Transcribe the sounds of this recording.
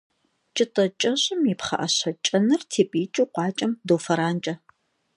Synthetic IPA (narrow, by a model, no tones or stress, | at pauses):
t͡ʃʼɨtʼɐt͡ʃʼɐɕʼɪmjipχɐ̰ʔɐɕɐt͡ʃʼɐnɨrtʰeːpʼiːt͡ʃʼuqʷɑːt͡ʃʼɐmdowfɐɾaːnt͡ʃʼɐ